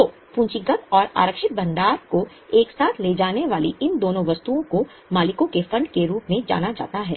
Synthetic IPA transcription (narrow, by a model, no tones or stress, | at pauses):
o | pũːɲt͡ʃɪɡət̪ɔːɾa̰ːɾəkʃɪt̪̚bɐ̃nd̪aːɾko | eːksaːt̪ʰleːd͡ʒaːneʋaːliʔɪnd̪oːnõʋɐst̪uõko | maːlɪkõkefɐ̃ɳɖkeɾuːpmẽd͡ʒa̰ːnad͡ʒa̰ːt̪aɦɛ̰ː